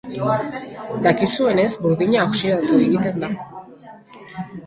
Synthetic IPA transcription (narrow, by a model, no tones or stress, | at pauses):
d̪akisue̞ne̞zbuɾðiɲaːksiɾat̪ue̞ɣit̪e̞nd̪a